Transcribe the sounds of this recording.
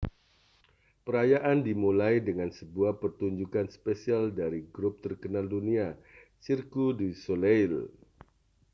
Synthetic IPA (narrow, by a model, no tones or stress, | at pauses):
pəɾajaʔandimulajdəŋansəbuahpərt̪uɲd͡ʒukanspesialdaɾiɡɾʊp̚t̪ərkənaldunia | sirkudisolejl